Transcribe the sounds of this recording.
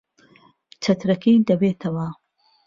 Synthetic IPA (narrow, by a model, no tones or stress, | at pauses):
t͡ʃʰɐt̪ɾɐkʰid̪ɐbeːt̪ʰɐwɐ